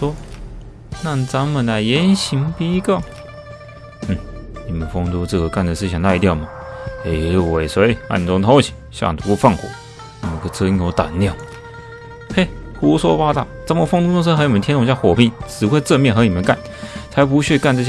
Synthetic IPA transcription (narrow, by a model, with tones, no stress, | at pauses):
ʂwɔ˥ | na˥˩t͡sa˧˥nmə˨nla˧˩ɪjɛ˧˥nɕi˧˥ŋpi˥kɑ˥˩ʊ | n̩˥˩ni˨˩mə˨˦nfo˥ŋt̪u˧t͡s̩˥˩xo˧˩ka˥˩nd̪ə˩ʂɻ̩ʰ˥˧˩i˨˩ŋla˥˧ɪt̪̬jɑ˥˩ʊmɐ˨˩e˧˩˧we˨˩ɪswe˧˥ɪa̰˥˧˩ni˨˩o˧˥ŋt̪ʰo˧˥ʊt͡ɕʰi̥˨˩˦ɕja̰˥˧˩ŋt̪ʰu˧˥˧fɑ˥˩ŋxwɔ̰˨˩˦ | ni˨˩mə˧˦nkʰt͡sʰɤ˥˧i˧˥˩ŋo˧˥t̪a˨˩nnjɑ˥˩ʊ | he˥˩ɪxu˧˥swɔ˥pa˥t̪a˥˩t͡sa˧˥nmə˨˩fʊ˥ŋt̪u˥t͡sʊ˥ŋʂ̬ə˥xɤ˧˥ni˨˩mə˦nt̪ʰɛ˥nʊ̃˧ŋ˩t͡ɕja˥˩xwɔ˨˩pi˥˩˦ŋt͡sɻ̩˨˩xwe˥˧ɪt͡sɤ˥˧mjnxɤ˧˥ni˨˩mə˨˦nka˥˩n | t͡sʰa˧˥ɪp̬u˧˥ɕɥɛ˥˧ka˥˧nʈ͡ʂɤ˥˧˩